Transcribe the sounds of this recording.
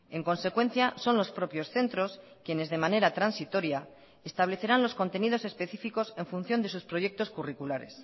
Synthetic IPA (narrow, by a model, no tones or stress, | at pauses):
e̞ŋko̞nse̞kwẽ̞n̟θjaso̞nlo̞spɾo̞pjo̞sθe̞nt̪ɾo̞s | kjene̞zðe̞mane̞ɾat̪ɾansit̪o̞ɾja | est̪aβle̞θe̞ɾanlo̞sko̞nt̪e̞nið̞o̞se̞spe̞θifiko̞se̞ɱfun̟θjo̞nd̪e̞suspɾo̞je̞k̚t̪o̞skurikulaɾe̞̰s